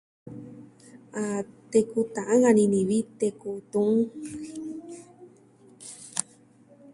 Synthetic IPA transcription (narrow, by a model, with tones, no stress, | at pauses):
a˧t̪e˧ku˧t̪ã˨ʔã˦ŋã˧nĩ˧nĩ˨βi˦t̪e˧ku˧t̪ũ˧ŋ